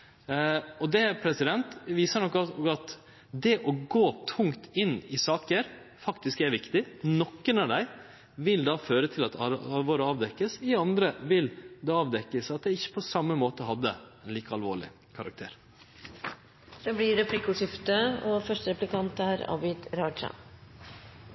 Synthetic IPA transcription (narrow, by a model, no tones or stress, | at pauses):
ɔd̪ɛpʰɾɛsɪd̪ɛnt̪ʋiːsəɳɔkːɑt̪ | d̪ɛʔɔɡoːt̪ʰʊŋt̪ɪnːɪsɑːkəɾ | fɑkt̪ɪskæɾʋɪkt̪ɪnɔkːənɑʋd̪æɪ | ʋɪld̪ɑːføːɾət̪ʰɪlɑt̪ʰɑɑlʋoːɾəɑːʋd̪ɛkːəsɪɑnd̪ɾəʋɪld̪ɛːɑːʋd̪ɛkːəsɑt̪̚d̪ɛɪɪçːə̥pʰɔsɑmːəmoːt̪əɔɦɑd̪ːəɛnliːkəɑlʋo̰ːɭɪ̰ | kʰɑɾɑ̰k̚t̪ʰḛːɾ | sɛblɪɾɛplɪkːʊʂɪft̪əɔfœʂʈəɾɛplɪkʰɑnt̪æɾɑ̰bɪd̪ɾɑːʂɑ̰